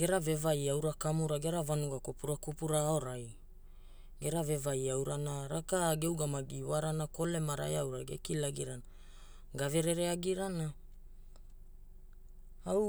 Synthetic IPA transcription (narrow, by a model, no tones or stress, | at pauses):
ɡ̥e̞ɾave̞vajawɾakamuɾaɡe̞ɾavanuɡakopuɾakopuɾao̞ɾaj | ɡe̞ɾave̞vajawɾanaɾakaɡewɡamaɡiwaɾanako̞le̞maɾa̰jawɾaɡḛkilaɡiɾana | ɡave̞ɾe̞ɾeaɡiɾana | aw